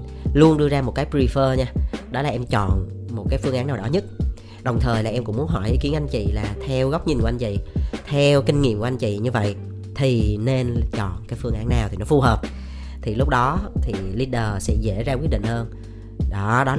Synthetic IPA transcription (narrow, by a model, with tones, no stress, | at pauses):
lu˧ənɗɨ˧əzaː˧mo˨˩t̚kaː˨˦jpi˧fəː˧ɲaː˧ɗɔ˨˦laː˨˩ʔɛ˧mt͡ɕɔ̰˧˨nmo˨˩t̚kaː˨˦jfɨ˧əŋʔaː˨˦nːaː˨˩wɗɔ˨˦ɲɨ˦˥t̚ | ɗə˨˩wŋ͡mt̪ʰəː˨˩jlaː˨˩ʔɛ˧mkʊ̰˧˥ŋ͡mmu˨˦ənɦɔ˧˩jʔi˨˦ki˨˦ənʔa˧jŋ̟t͡ɕḭ˧˨laː˨˩t̪ʰɛ˧wɣə˦˥wk͡p̚ɲi˧nka˧ŋ̟t͡ɕḭ˧˨t̪ʰɛ˧wki˧ŋ̟ŋḭ˧˨əmku˧˩˦ʔnŋt͡ɕḭ˧˨ɲɨ˧və̰˧˨j | t̪ʰi˨˩ne˧nt͡ɕɔ̰˧˨nkaː˨˦jfɨ˧əŋʔaː˨˦nːaː˨˩wt̪i˨˩nɔ˨˦fu˧həː˨˩p̚ | t̪ʰi˨˩lʊ˦˥k͡p̚ɗɔ˨˦t̪ʰi˨˩li˧ɗəː˨˩sɛ̰˧˥zḛ˧˩˥zaː˧kwi˦˥t̚ɗḭ˧˨ŋ̟həː˧n | ɗɔ˨˦ɗɔ˨˦